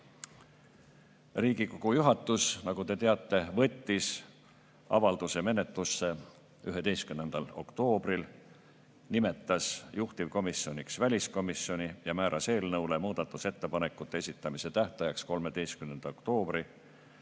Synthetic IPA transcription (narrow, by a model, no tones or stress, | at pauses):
riːɡiko̞ɡ̥ujuɦɑt̪ːˑusnɑɡ̥ut̪e̞t̪e̞ɑt̪ˑːe̞vɤ̞t̪ʲːis | ɑ̰vɑld̪̥use̞me̞ne̞t̪ˑlusːe̞ | yɦe̞d̪e̞jskymne̞nd̪̥ɑlo̞̰kt̪o̞ːb̥ril | nime̞t̪ːˑɑsjuht̪ivko̞misːio̞nʲiksvælʲisko̞misːjo̞nʲijɑmæːɾʔɑse̞ːlnɤwlemuːd̪̥ɑt̪ːˑuse̞t̪ːe̞pɑne̞kːˑut̪ːˑee̞sit̪ːˑɑmise̞t̪æht̪ɑjɑksko̞lme̞d̪e̞jskymne̞nd̪̥ɑokt̪o̞ːb̥ri